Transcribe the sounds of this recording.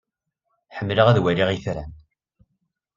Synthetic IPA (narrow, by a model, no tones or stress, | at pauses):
ħəmːləʁæðwæliʁiθɾæn